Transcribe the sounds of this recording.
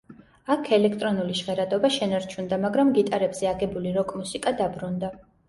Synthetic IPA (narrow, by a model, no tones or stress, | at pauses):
akʰɛlɛkʰt̪ʼɾɔnuliʃʁɛɾad̪ɔbaʃɛnaɾt͡ʃʰund̪amaɡɾamɡit̪ʼaɾɛbz̥ɛaɡɛbuliɾɔkʼmusikʼad̪abɾund̪a